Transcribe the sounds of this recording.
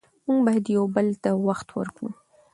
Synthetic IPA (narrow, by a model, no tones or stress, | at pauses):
muŋɡbajad̪jawbəlt̪awaxt̪wə̰ɾkɽṵ